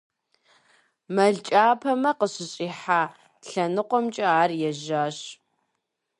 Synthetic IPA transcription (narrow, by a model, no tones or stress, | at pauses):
mɐɮt͡ʃʼaːpʰɐmɐqəɕɪɕʼiːħaː | ɬɐnɨqʷɔmt͡ʃʼɐaːrjɛʒaːɕ